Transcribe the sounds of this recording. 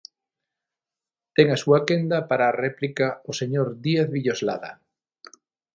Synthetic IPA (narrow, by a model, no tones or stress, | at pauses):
t̪eŋasuakend̪apaɾaːreplikaoseɲoɾðieθβiʎozla̰ða̰